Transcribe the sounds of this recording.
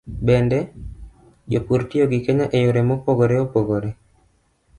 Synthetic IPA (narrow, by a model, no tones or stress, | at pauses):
bɛndɛ | jopuɾtijoɡɪkeɲaʔejoɾemopoɡoɾeopoɡoɾe